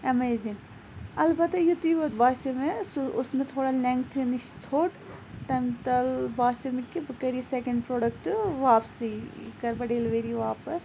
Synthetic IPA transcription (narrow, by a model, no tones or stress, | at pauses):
ɐmeːzɪŋ | ɐlbɐt̪jut̪iʋɐbaːsemesʊsmẽt̪ʰoːɽalẽŋkt̪ʰiniʃt͡sʰoːʈt̪ɐmt̪ɐlbaːsɐmẽkibɐkɐɾisekɐ̃ɳɖpɾoːɖɐkʈʋaːpsikɐɾbɐɖeːlʋeːɾiʋaːpɐs